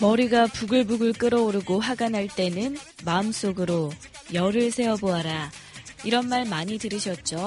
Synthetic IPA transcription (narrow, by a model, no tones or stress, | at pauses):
mʌɾiɡapuɡɯɭbuɡɯɭk͈ɯɾʌoɾɯɡoɦaɡanɦaɭt͈e̞nɯn | maɯms͈oɡɯɾo | jʌɾɯɭsʰe̞ʌboɦaɾaiɾʌnmaɭmaɲitɯɾɯɕʰʌt̚t͡ɕ͈o